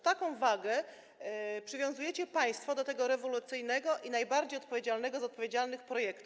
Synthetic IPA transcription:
t̪akɔ̃w̃vaɡɛ | pʂɘvjɔ̃w̃zujɛt͡ɕɛpaj̃st̪fɔd̪ɔt̪ɛɡɔɾɛvɔlut̪sɘjnɛɡɔʔinajbaɾd͡ʑejɔt̪pɔvʲjed͡ʑalnɛɡɔzɔt̪̚pɔvʲjed͡ʑalnɘxpɾɔjɛkt̪uf

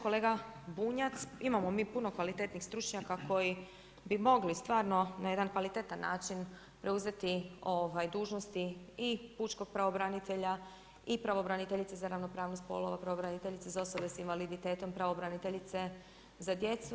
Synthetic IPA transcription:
ko̞le̞ːɡabuːɲat̪simamo̞miːpuno̞kʋalit̪e̞t̪nixst̪ɾut͡ʃɲakakʰo̞ji | bimo̞ɡlist̪ʋaːɾno̞naje̞d̪ankʋalit̪e̞t̪anːa̰ːt͡ʃin | pɾe̞uze̞t̪io̞ːʋajd̪uːʒnost̪iipuːt͡ʃko̞ɡ̥̚pɾaʋo̞bɾanit̪eʎa | ipɾaʋo̞bɾanit̪eʎit̪sezaɾaʋno̞pɾaːʋnost̪po̰lˠo̞ʋapɾaʋobɾanit̪eʎit̪sezao̞so̞besinʋalid̪it̪e̞ːt̪o̞mpɾaʋobɾanit̪eʎit̪se̞ | zad̪je̞t̪su

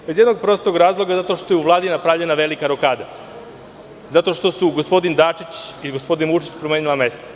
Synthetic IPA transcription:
be̞zjed̪no̞ɡ̚pɾo̞st̪o̞ɡɾaːzlˠo̞ɡazat̪o̞ʃt̪o̞jeuʋlˠaːd̪inapɾavʎe̞naʋe̞likaɾo̞kaːd̪a | zat̪o̞ʃt̪o̞suɡo̞spo̞d̪ind̪aːt͡ʂit͡ɕiɡospo̞d̪inut͡ʃi̥t͡ɕpɾomeːnilˠame̞st̪o̥

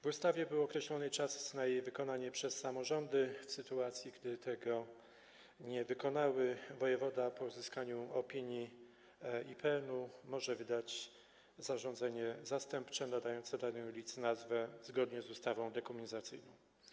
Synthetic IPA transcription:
vust̪avʲjɛbɘwɔkɾɛɕlɔnɘt͡ʂasznajejvɘkɔnaɲɛpʂɛsːamɔʐɔnd̪ɘfsɘt̪uat̪sʲjiɡd̪ɘt̪ɛɡɔ | ɲɛvɘkɔnawɘvɔjɛvɔd̪apɔuzɘskaɲuɔpʲiɲji | ipʰɛnumɔʐɛvɘd̪at͡ɕ | zaʐɔnd̪zɛɲɛzast̪ɛmpt͡ʂɛnad̪ajɔnt̪sɛd̪anɛulʲit̪snazvɛzɡɔd̪ɲɛzust̪avɔ̃w̃d̪ɛkumʲɛɲzat̪sɘjnɔ̃w̃

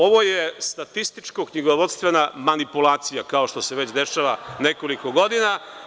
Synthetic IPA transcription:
o̞ʋo̞jest̪at̪ist̪it͡ʃkokɲiɡoʋo̞t̪st̪ʋe̞namanipulˠaːt̪sijakao̞ʃt̪o̞seʋe̞t͡ɕd̪e̞ʃaʋane̞koliko̞ɡo̞d̪ina

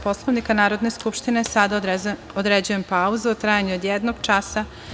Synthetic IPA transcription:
po̞slˠoʋnikanaːɾod̪ne̞skupʃt̪inesad̪a | od̪ɾed͡ʑuje̞mpauzeut̪ɾaːjaɲuod̪jed̪noɡ̥t͡ʃasa

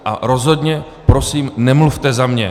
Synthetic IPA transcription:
ʔa̰ɾo̞zɦo̞d̪ɲɛ | pɾo̞siːmnɛmluft̪ɛzamɲɛ̰

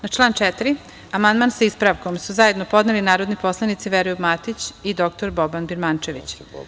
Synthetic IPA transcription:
nat͡ʃlˠaːnt͡ʃɛt̪ɾi | amand̪mansaispɾaʋkomsuzaje̞d̪nopo̞d̪nelinaːɾo̞d̪nipo̞slˠanit̪siʋeɾojubmat̪it͡ɕid̪o̞k̚t̪oɾbobanbiɾmant͡ʃeʋit͡ɕ

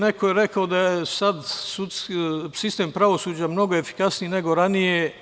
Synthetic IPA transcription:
nekojeɾekaod̪ajesad̪sut̪sksist̪empɾaʋo̞suːd͡ʑamno̞ɡoefi̥kasniineɡo̞ɾanije

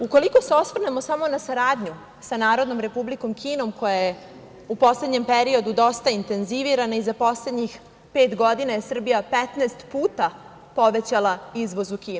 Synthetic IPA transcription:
uko̞liko̞se̞o̞sʋr̩ne̞mo̞samo̞nasaɾaːd̪ɲu | sanaːɾo̞d̪no̞mɾe̞publiko̞mkʰiːno̞mko̞jaje | upo̞sle̞d̪ɲe̞mpeɾio̞d̪ud̪o̞st̪aint̪e̞nziʋiɾanaizapo̞sle̞d̪ɲix | pe̞ːt̪ɡo̞d̪inajesr̩bijapet̪neːst̪puːt̪a | po̞ʋe̞t͡ɕalˠaizʋo̞zukiːn

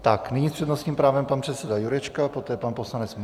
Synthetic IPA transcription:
t̪aknɪɲispr̥ɛdnost̪ɲiːmpɾaːvɛmpanpr̥ɛt̪sɛdajuɾɛt͡ʃkapot̪ɛːpanpo̞slanɛt͡sm

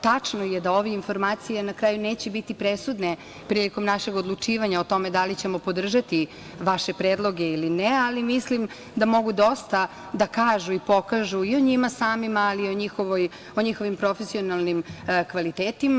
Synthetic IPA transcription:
t̪at͡ʂnojed̪ao̞ʋeinfo̞ɾmaːt̪sijenakɾaːjuneːt͡ɕebit̪ipɾesud̪ne | pɾiliko̞mnaʃeɡod̪lˠut͡ʂiːʋaɲaot̪o̞me̞d̪alit͡ɕe̞mo̞po̞d̪r̩ʒat̪i | ʋaʃe̞pɾeːd̪lˠo̞ɡe̞ilinealimislim | d̪amo̞ɡud̪o̞st̪a | d̪akaːʒuipo̞kaʒuioɲimasaːmimaːlioɲixoʋoj | oɲixo̞ʋimpɾo̞fesio̞nalˠnimkʋalit̪eːt̪ima

